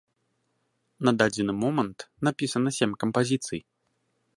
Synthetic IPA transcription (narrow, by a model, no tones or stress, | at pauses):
nɐd̪ad͡zʲɛnɨmɔmɐnt̪napʲisɐnɐsʲemʲkɐmpazʲit̪sɨj